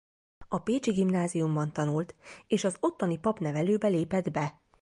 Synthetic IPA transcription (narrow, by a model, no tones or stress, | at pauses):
ɒpeːt͡ʃiɡimnaːzijumbɒnt̪ɒnult̪eːʃɒzo̞t̪ːɒnipɒpnɛvɛløːbɛleːpɛd̪bɛ